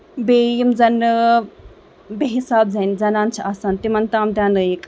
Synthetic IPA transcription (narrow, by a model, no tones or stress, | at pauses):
beːjimzɐn | beɦisaːb̚zɐnzɐnaːnt͡ʃʰiaːsaːnt̪imɐnt̪aːmd̪ʲjaːnɨeːk